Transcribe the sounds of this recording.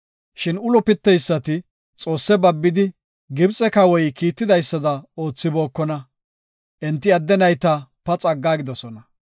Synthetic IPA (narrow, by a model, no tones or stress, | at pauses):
ʃɪnʊlɔpɪt̪ːɛjsːɐt̪ɪ | t͡sʼo̞ːsːɛbɐbːɪd̪ɪ | ɡɪbt͡sʼɛkɐwɔjkiːt̪ːɪd̪ɐjsːɐd̪ɐo̞ːt͡sːɪbo̞ːkːɔnɐ | ʔɛnt̪ːɪɐd̪ːɛnɐjt̪ɐpɐt͡sʼɐɡːaːɡɪd̪ɔsɔnɐ